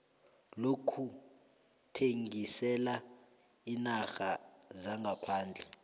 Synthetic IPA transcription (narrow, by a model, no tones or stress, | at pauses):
lokʰu | tʰeŋɡisɛla | inaxazaŋɡʱapʰaːnd͡ɮʱɛ